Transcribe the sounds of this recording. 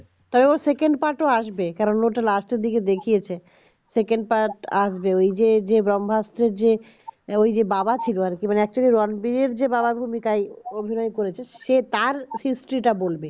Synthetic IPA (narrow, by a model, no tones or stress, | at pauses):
t̪ɔbeoɾsekeɳɖpaɾʈoaʃbekɛɾonːoʈalaʃʈd̪ik̬ed̪ekʰijet͡ɕʰe | sekeɳɖ̚paɾʈaʃbeojd͡ʑed͡ʑebɾɔmbʱast̪ɾeɾd͡ʑe | ojd͡ʑebabat͡ɕʰiloaɾkimaneɛk̚t͡ɕuɾiɾoanbiɾeɾd͡ʑebababʱumikajobʱinɔekoɾet͡ɕʰeʃet̪aɾhisʈɾiʈabolbe